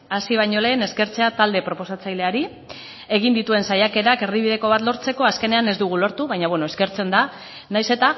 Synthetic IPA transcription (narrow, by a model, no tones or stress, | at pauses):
asiβ̞aɲo̞le̞ːne̞ske̞ɾt͡se̞at̪ald̪e̞pɾo̞po̞sat͡sajle̞aɾi | e̞ɣind̪it̪ue̞nsajake̞ɾake̞rðiβ̞ið̞e̞ko̞βat̪lo̞ɾt͡se̞ko̞aske̞ne̞ane̞zd̪uɣ̞ulo̞ɾt̪uβajɲaβe̞no̞eske̞ɾt͡se̞nd̪a | najse̞t̪a